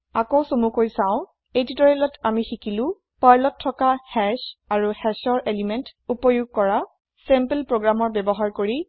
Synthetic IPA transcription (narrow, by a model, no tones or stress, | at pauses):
akowsomukoɹjsãʊ̃ | ejtitɔɹɛlɔtamixikilʊ̃ | paɹlɔtʰːɔkahɛsaɹuhɛsɔɹʔelimɛntupɔjuɡ̚kɔɹa | sɛmpelpɹoɡɹamɔɹbɛbɔɦaɹkoɹi